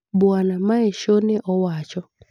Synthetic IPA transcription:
bwanamaeʃoneʔɔwat͡ʃɔ

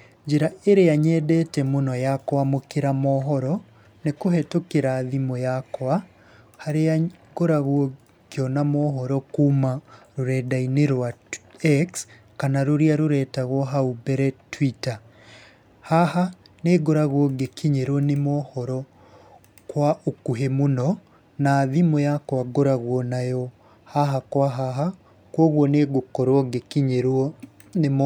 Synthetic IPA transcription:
ɲd͡ʒeɾaeɾeaɲɛdɛtɛmonɔjakɔamokeɾamɔɦɔɾɔ | nekoɦɛtokeɾaːðimojakɔa | haɾeaɡ̥oɾaɣwɔ | keɔnamɔːɦɔɾɔkuːmaɾoɾɛːdaineɾwaɛks | kanaɾoɾiaɾoɾɛːtaɣwɔɦaubɛɾɛtwita | hahaneːɡoɾaɣwɔɡekiɲeɾwɔnemɔhɔɾɔ | kwaokuɦemunɔ | naðimojakwaɡoɾaɣwɔnajɔ | haɦakwaɦaɦa | kwɔɣwɔneɡokɔɾwɔɡekiɲeɾwɔ | nem

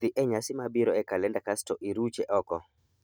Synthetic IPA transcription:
ɪʔɛɲasɪmabiɾɔɛkalɛndakastɔʔiɾut͡ʃɛʔɔkɔ

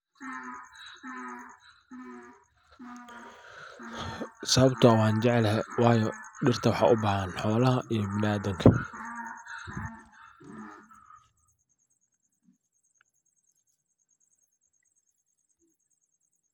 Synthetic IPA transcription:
sɐβɐbt̪ʰʊɐwɑːnt͡ʃɛʕɛlɦɛwɑːjɔɖɪrt̪ʰɐwɑħɑ̰ːʔʊbaːhanħɔːlɐɦɐʔijɔbɪnʔaːðɪŋkʰɐ

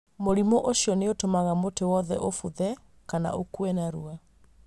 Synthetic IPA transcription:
moɾimoʔoʃjɔneotomaɣamotewɔðɛ̰ʔofuðɛ | kana̰ʔokwɛnaɾua

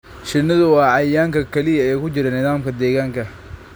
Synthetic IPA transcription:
ʃɪnɐðʊwɑːɐjːaːŋkɐkʰɛlɪjɐɛːjkʰʊt͡ʃɪɾɐnɪðaːmkʰɐd̪ɛːɣaːŋkʰɐ

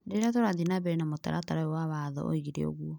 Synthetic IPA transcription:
deɾatoɾaðinabɛɾɛnamota̰ɾataɾaɔwaβaðɔ̰ʔo̰iɣiɾɛ̰o̰ɣuɔ

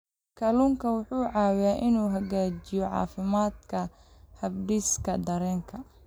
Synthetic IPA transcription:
kʰɐluŋkʰɐwʊħuːʕɑːwjaːʔɪnuːɦɐɣaːt͡ʃɪjɔʕɑ̰ːfɪmaːd̪kʰɐ | hɐbɖɪskʰɐd̪ɐɾɛːŋkʰɐ

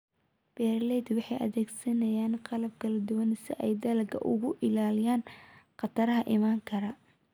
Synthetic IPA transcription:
b̥ɛːrlɛd̪wɑħɑjʔɐ̰ðɛːɡsɐnɐjaːnqɑlɐb̚kʰɐlɐd̪ʊwɐnsɪ̰ʔɛjd̪ɐlɐɡʰɐ̰ʔʊ̰ɣʊʔɪlaːlɪjaːnqɑt̪ʰɐɾɐɦɐʔɪmaːŋkʰɐɾɐ

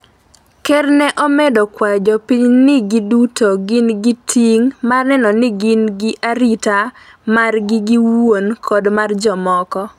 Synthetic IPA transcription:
kɛrnɛʔɔmɛdɔkwad͡ʒɔpiɲnɪɡɪdutoɡɪnɡɪtʰiŋmarnɛnɔnɪɡɪnɡɪʔaɾita | marɡɪɡɪwonkʰɔdmard͡ʒɔmɔkɔ

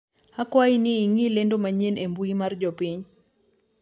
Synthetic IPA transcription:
hakwainɪiŋilendomaɲenembuimard͡ʒɔpiɲ

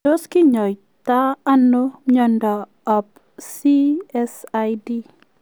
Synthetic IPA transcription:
oskiɲɔj | t̪aːnoɲɔnda | ɔp̚ | siɛsajdi

